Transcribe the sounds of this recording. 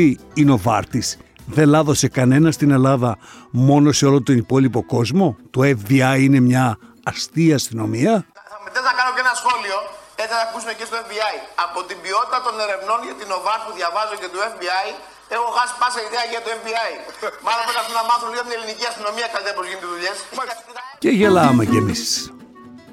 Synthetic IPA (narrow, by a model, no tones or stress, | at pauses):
iino̞vɐ̰ɾt̪isðe̞lɐðo̞se̞kɐne̞nɐst̪ine̞lɐðɐmo̞no̞se̞o̞lo̞nt̪onipo̞lipo̞ko̞zmo̞t̪oefðiɐiine̞mɲɐː | st̪iɐst̪ino̞miɐɐmet̪eznɐkɐno̞cenɐsxo̞lio̞et͡s̪iθɐɐkusumecest̪oefbiɐjɐpo̞t̪imbio̞t̪i̥t̪ɐt̪o̞ne̞ɾe̞vno̞nʝɐt̪ino̞vɐspuðʝɐvɐzoce̞t̪ue̞fbiɐj | exoɣɐsi̥pɐseiðeɐʝiɐt̪uefbiɐimɐðɐpekɐt̪umnɐmɐθunliɣot̪ine̞liniciɐst̪ino̞miɐksɐiɐpozʝint̪eðuʎe̞s | ceʝelɐmecemiss